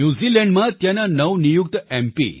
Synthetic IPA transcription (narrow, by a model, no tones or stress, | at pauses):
juzilɛɳɖmãt̪jananəʋnijuk̚t̪ɛmpḭ